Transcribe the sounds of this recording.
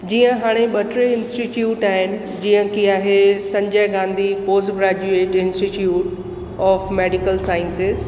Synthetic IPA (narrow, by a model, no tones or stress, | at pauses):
d͡ʑiːə̃ɦaːɽ̃eɓɐʈɾeɪ̃nsʈiʈjuːʈaːɦɪnɪ̆ | d͡ʑiːə̃kiaːɦesɐ̃ɲd͡ʑəɪɡãːnd̪ʱipoːzɡɾaːd͡ʑueːʈɪ̃nsʈiʈjuːʈ | ɔːfmeːɖikəlsaːɪnsɪz